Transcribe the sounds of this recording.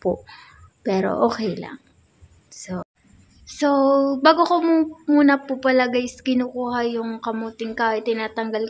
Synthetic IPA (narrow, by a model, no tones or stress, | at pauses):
poʔ | pɛːɾo̞̰ʔoːkɛjlɐ̰ŋ | so | so̞baːɡokomumuːnɐpʊpɐlɐɡajɪskɪnuːkuːɦɐjʊŋkɐmuːt̪ɪŋkaːʔɪt̪ːɪnaːt̪ɐŋɡɐl